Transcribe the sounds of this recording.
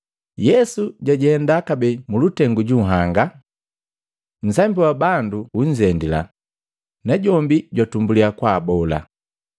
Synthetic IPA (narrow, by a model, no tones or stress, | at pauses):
jɛsuɟaɟihɛndakabɛmulutɛŋɡuɟuɦaŋɡa | n̩sambiwabanduuɲd͡ʒɛndila̰ | naɟɔmbiɟwatumbuliakwaːbɔla̰